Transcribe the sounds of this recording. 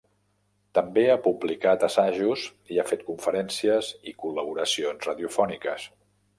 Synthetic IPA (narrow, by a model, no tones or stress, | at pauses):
t̪əmbeapublikat̪əsaʒuziafet̪̚kuɱfəɾɛnsiəzikuləβuɾəsionzraðiufɔnikəs